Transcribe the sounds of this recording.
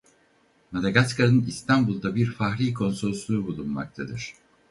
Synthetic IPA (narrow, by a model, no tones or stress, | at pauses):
mad̪aɡaskʰanɯnist̪ʰambulˠd̪abiɾfaxɾʲiːkʰo̞nso̞lˠslˠuːbulˠunma̰k̚t̪ʰad̪ɯɾ̝̥